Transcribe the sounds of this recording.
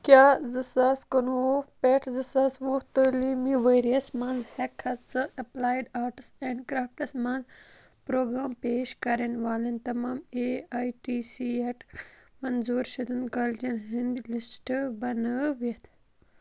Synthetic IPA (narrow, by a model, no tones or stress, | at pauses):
kjaːzɨsaːskənupeʈʰzɨsaːsʋuːt̪əːliːmiʋeːɾiɐsmɐ̃nzhekʰɐt͡sɨʔɐplaːjɖaːʈɨseːɳɖkɾaːfʈɐsmɐ̃nz | pɾoːɡɾaːmpeːʃkɐɾenʋaːlent̪ɐmaːmeaːjʈiːsieʈmɐnzuːɾʃid̪unkɐld͡ʒɐnɦind̪ilisʈbɐnəʋet̪ʰ